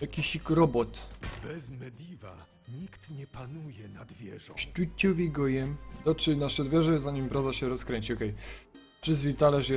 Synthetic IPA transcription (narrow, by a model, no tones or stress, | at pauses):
jakʲiɕikɾɔbɔt̪bɛzmɛd̪ʲiva̰ | ɲikt̪ɲɛpanujɛnad̪vʲjɛʐɔ̃ɕt͡ʂut͡ɕːɔvʲiɡɔjɛmd̪ɔt͡ʂɘnaʂɛd̪vʲjɛʐɛzaɲimpɾazaɕɛɾɔskɾɛɲt͡ɕiɔkɛj | ʂɘzvʲit̪alɛʂjɛ